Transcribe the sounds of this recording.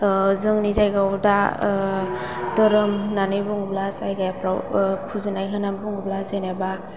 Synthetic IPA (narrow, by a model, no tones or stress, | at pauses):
zɯŋnizajɡawda | dɯɾɯmnanɯjbuŋublasajɡajapʰɾawpʰuzɯnajɦanambuŋublazajnaba